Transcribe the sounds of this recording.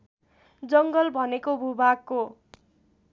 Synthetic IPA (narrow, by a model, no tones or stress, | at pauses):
d͡zʌŋɡʌlbʱʌnekobʱubakko